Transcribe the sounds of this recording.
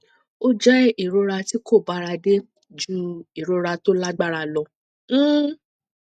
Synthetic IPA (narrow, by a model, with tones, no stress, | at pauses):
o˦d͡ʒɛ˦i˦˨ɾo˨˧˦ɾa˧ti˦ko˦˨ba˨˦ɾa˧de˦ | d͡ʒũ˦i˨ɾo˧˦ɾa˧to˦la˦ɡ͡ba˦˨ɾa˧lɔ˧˦